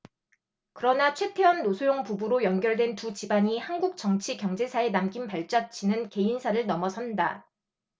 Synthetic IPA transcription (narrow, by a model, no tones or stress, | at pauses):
kɯɾʌnat͡ɕʰwe̞tʰe̞wʌnːosʰojoŋpubuɾojʌnɡjʌɭdwe̞ntut͡ɕibaɲihanɡuk̚t͡ɕ͈ʌŋt͡ɕʰikjʌŋd͡ʑe̞sʰae̞namɡimpaɭt͡ɕ͈at͡ɕʰinɯnke̞insʰaɾɯɭnʌmʌsʰʌnda